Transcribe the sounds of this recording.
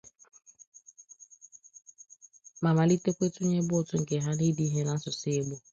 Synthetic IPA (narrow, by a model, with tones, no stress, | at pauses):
ma˨ma˨li˦te˦kʷe˦tʊ˦ɲe˦bʊ˦ʊ˨tʊ˦ŋ̩˨ke˨ɦa˦li˦di˦ɦe˦na˦sʊ˨se˦ɡ͡bo˦